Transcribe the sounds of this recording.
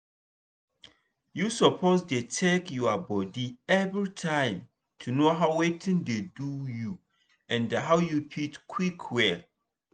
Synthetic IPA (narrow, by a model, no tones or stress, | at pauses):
jusɔpʰozdetʰekjuabɔdiɛvɹitʰãɪ̃m | tʰunoɦaʊwetʰɪ̃ndeduju | ɛ̃ndaɦaʊjupʰitkʰwikʰwɛl